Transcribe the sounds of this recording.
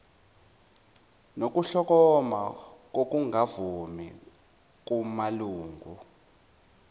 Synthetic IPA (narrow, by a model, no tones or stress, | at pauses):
nok̬ʼuɬɔk̬ɔmak̬ok̬ʼuŋavumḭ | k̬umaluːŋɡʱu